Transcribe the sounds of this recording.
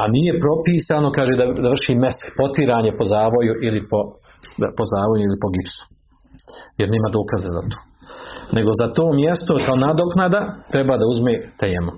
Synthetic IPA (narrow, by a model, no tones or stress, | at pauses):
anije̞pɾo̞piːsaːno̞kaːʒeːd̪ad̪aʋr̩ʃiːmːespo̞t̪iɾaːɲepo̞zaːʋo̞juʔilipo | pozaːʋojuilipo̞ɡipsu̥ | jeɾne̞ːmad̪o̞ːkazaza̰t̪o̥ːnʔe̞ɡo̞zat̪oːmje̞st̪okaonad̪o̞knad̪at̪ɾe̞baːd̪auzmeːt̪eːmu